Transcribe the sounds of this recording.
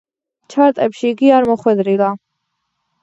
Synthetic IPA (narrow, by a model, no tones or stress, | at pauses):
t͡ʃʰaɾt̪ʼɛpʃiːɡiaɾmɔχwɛd̪ɾila